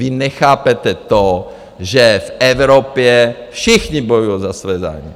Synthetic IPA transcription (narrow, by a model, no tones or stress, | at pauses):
vɪnɛxaːpɛt̪ɛt̪o | ʒɛfɛvɾopjɛfʃɪxɲibojujozasvɛːza̰ːjmḭ